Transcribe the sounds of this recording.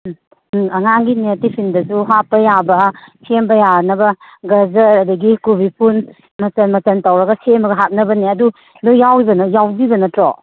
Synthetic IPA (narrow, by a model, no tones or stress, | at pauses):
ɐŋaŋɡinetipʰindɐsuɦapːɐjabɐsʰembɐjanɐbɐ | ɡɐzɐɾɐdɐɡikubipʰun | mɐsɐnmɐt͡ʃɐntawɾɐɡɐsemɐɡɐɦat̚nɐbɐneɐdu | lujawibɐnɐjawdibɐnɐtɾɔ